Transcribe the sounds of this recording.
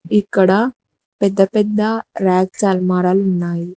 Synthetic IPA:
ikːɐɽɐ | pɛd̪ːɐpɛd̪ːɐɾaːk̚t͡ʃaːlmaːɾaːlunːaːji

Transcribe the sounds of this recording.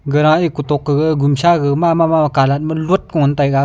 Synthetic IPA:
ɡəɾaʔikutɔkːɯɡɯɡumsaɡɯmamamamakalat̚mɯluət̚kɔŋɔntajɡa

